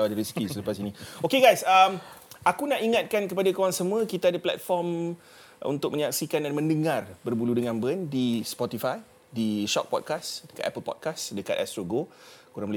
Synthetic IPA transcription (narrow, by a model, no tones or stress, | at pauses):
awadəɾiskisələpasinĩokeɡajsəmakunaʔiŋat̪̚kankəpadakowaŋsəmuə̃kit̪adəplɛ̰t̪̚fɔrm | ṵnt̪ʊk̚məɲaksikandanmə̃ndəŋãrbərbuludəŋãnbəndispɔt̪ifaj | diʃɔ̰k̚pɔ̰d̚kasdəkat̪ɛ̰pəlpɔ̰t̚kasdəka̰t̪ɛst̪ɾoɡokuɾaŋməl